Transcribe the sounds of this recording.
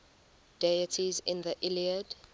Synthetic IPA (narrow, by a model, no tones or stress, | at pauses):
d̥ejətʰizɪ̰̃nðəʔɪliəd